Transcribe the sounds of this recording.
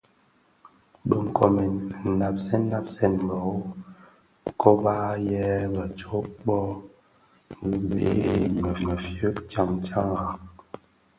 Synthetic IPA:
bə˨ŋ̩˨kɔ˨me˨na˨p̚sɛ˦n˦na˦p̚sɛ˦˨n˨bɔ˨˦ | kɔ˦baː˦jɛ˦bə˨t͡ʃo˨˦ɓɔ˦˨ | bḛ˨˦˨mə˨mə˨fjə˦t͡ʃa˦ŋt͡ʃa˦ŋɣa˨

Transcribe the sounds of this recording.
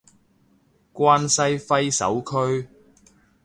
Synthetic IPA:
kʷaː˥nsɐ˥jfɐ˥jsɐ̰˨˥wkʰɵ˥ɥ

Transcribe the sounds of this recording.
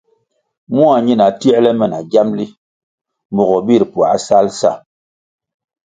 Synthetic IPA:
mu˦a˨ɲi˦na˨ti˦ɛ˦lɛ˦mɛ˨na˨ɡa˦mli˦ | m˨bɔ˨ɣɔ˨bi˦˨ɾpu˨a̰˨˦sa˦lsa̰˦˨

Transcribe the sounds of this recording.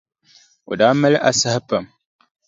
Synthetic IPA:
o̰˨daː˦mɛ˦lɪ˦ʔa˨sa˦hɪ˦pa˨m

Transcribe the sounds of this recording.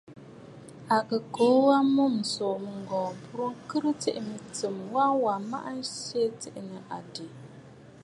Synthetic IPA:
a˨kə˨ko˨˦wa˦mu˦m̩˨so˨mɨ˨ŋ̩˨ɡɔː˨pu˦ɾo˦kɨ˦ɾɨ˦te˦˨ʔmi˨tɨ˨mwa˦wa˨ma̰˦ʔa˦n̩˦se˦te˦ʔnə˨ʔa̰˨de˨

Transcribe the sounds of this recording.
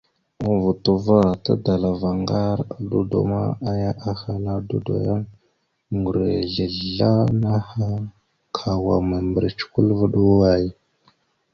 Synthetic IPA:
u˦vu˨tu˨va˦ta̰˦da˨la˨va˨ŋɡa˦ɾa˨du˦do̰˨ma̰˦a˦ja˦ʔa˦xa˦la˦du˦do̰˨ja˦n | ŋɡu˨ɾḛ˨ɮə˨ɮa˦na˦ha˦ | kʰa˨wa̰˨ma˨mbə˨ɾi˨t͡ʃu̥˨ku˦lva˦ɗu˦wa˦˨j

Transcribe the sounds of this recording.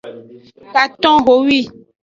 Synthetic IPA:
ka˨t̪ɔ̃˦ɣo˨˦wi˦˨

